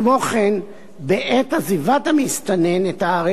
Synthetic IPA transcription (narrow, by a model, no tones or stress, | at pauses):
mo̞χen | beʔethazivat̪amist̪anenetaːʁe